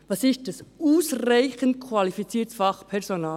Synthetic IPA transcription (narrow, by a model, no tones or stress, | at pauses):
vɑsɪst̚d̥ɑsuːsraɪçənt̚kʰvɑlifit͡siːtfɑχpʰɛʁsonɑː